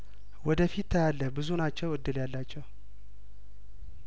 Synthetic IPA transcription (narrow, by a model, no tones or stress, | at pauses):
wɔd̪əfit̪ʰːəjalːəbɨzunat͡ʃːɛwɨd̪ːɨljalːat͡ʃːɛw